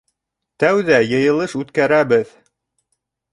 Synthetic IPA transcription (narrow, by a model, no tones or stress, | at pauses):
t̪æwðæjɤ̆jɤ̆lˠɤʃʉt̪kæɾæbɘð